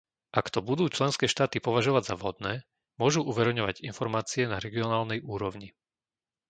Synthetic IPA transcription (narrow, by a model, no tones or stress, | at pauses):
ʔakt̪ɔbud̪uːt͡ʃlɛnskɛːʃt̪aːt̪ipɔʋaʒɔʋaɟzaʋɦɔd̪nɛː | mʊɔʒuʔuʋɛɾɛʊɲɔʋaɟinfɔɾmaːt͡siɛnaɾɛɡiɔnaːlnɛjuːɾɔʊɲi